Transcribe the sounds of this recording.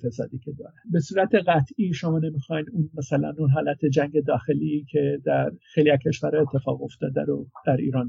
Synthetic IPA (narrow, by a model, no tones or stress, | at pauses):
fesɒːd̪iːcʰʲed̪ɒ̰ːɾebe̞suːɾæt̪ʰe̞ɣæt̪ʰiːʃo̞mɒːne̞mixɒjnunmæsælæ̰nunɦɒːlæt̪ʰe̞d͡ʒæŋɟe̞d̪ɒːxe̞likʰe̞d̪æɾxejliækʰe̞ʃvæɾɑet̪ʰːe̞fɒːɣo̞ft̪ɒːd̪æɾod̪̥æɾḭːɾɒːn